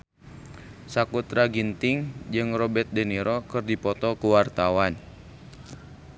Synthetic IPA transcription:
sakut̪ɾaɡint̪ɪŋd͡ʒɨŋrɔbɛt̪̚dɛniɾɔkɨrdipɔt̪ɔkuwart̪awan

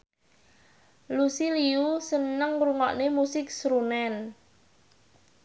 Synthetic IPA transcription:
lusiliusənəŋɾuŋɔʔnemusɪk̚sɾunɛn

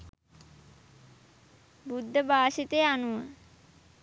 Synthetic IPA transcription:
bud̪ʱːəbʱaːʃit̪eanuʋə

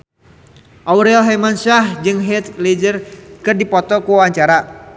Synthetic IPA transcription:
ʔawɾɛlɦamansahd͡ʒɨŋɦɛt̪̚led͡ʒərkɨrdipɔt̪ɔkuwaɲt͡ʃaɾa

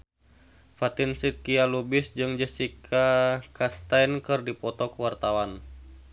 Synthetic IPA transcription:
fat̪ɪnsit̪̚kialubɪsd͡ʒɨŋd͡ʒəsikʰakast̪ajnkɨrdipɔt̪ɔkəwart̪awan

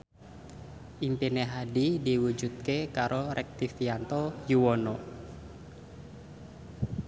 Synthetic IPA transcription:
ʔimpineɦadidiwud͡ʒut̪̚kekaɾʔoɾʔɛk̚t̪ifiant̪ɔjuwɔnɔ

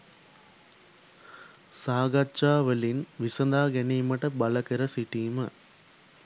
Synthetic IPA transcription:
saːɡɐt͡ʃːaːʋɐlinʋisɐnd̪aːɡenimɐʈɐbɐlɐkɐɾɐsiʈiːmɐ

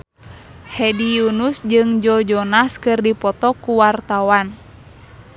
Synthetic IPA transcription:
hɛdijunusd͡ʒɨŋd͡ʒɔd͡ʒɔnaskɨrdipɔt̪ɔkuwart̪awan

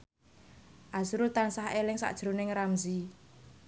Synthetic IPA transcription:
ʔasɾʊlt̪ansaɦelɪŋsa̰ʔd̥ʒ̥ɾunɪŋɾamzi

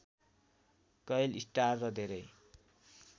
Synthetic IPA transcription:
kʌjlisʈarːʌd̪ʱeɾʌj

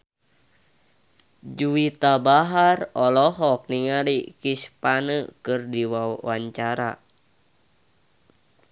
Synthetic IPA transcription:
d͡ʒuit̪abaɦarɔlɔɦɔk̚niŋalikispanəkɨrdiwawaɲt͡ʃaɾa̰

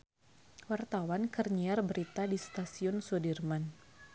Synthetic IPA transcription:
wart̪awankərɲiarbəɾit̪adist̪asiʊnsɔdirman

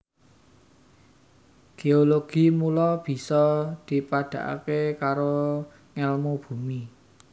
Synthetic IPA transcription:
ɡ̥eoloɡ̥i̤mulɔb̥i̤sɔd̪̥i̤paɖ̪̥ä̤ʔa̰kekaɾo | ŋɛlmob̥ṳmi

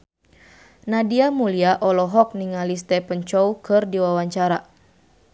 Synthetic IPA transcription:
nadiamuliaʔɔlɔɦɔk̚niŋalist̪ɛpənt͡ʃɔwkɨrdiwawaɲt͡ʃaɾa

